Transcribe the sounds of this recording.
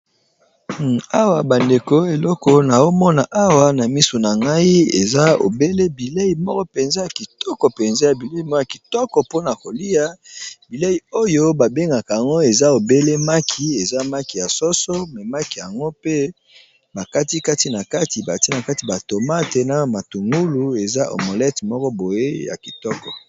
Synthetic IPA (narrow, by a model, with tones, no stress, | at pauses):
a˦wa˨ba˨nde˨ko˦e˨lɔ˦kɔ˦na˨jo˦mɔ˦na˨ʔa˦wa˨na˨mi˦so˨na˨ŋɡa˦i˦ḛ˨za˦o̰˨be˦le˦bi˨le˦ji˨mɔ˦kɔ˦pe˨nza˦ja˨ki˨tɔ˦kɔ˨pe˨nza˦ja˨bi˨le˦i˨mɔ˦a˨ki˨tɔ˦kɔ˨po˦na˨ko˨li˦ja˦bi˨le˦ji˨o˦jo˦ba˨be˦ŋɡa˨ka˨ja˨ŋɡo˦e˨za˦o˨be˦le˦ma˦kʰi˨e˨za˦ma˦ki˨ja˨sɔ˦so˦mɛ˨ma˦ki˨ja˨ŋɡo˦pe˦ | ba˨ka˦ti˦ka˦ti˦na˨ka˦ti˨ba˨ti˦na˨ka˦ti˨ba˨to˨ma˦te˨na˦˨ma˨tu˨ŋɡu˦lu˨e˨za˦ʔo̰˨mo˨lɛ˦tmɔ˦kɔ˦bo˨je˦ja̰˨ki̥˨tɔ˦kɔ˨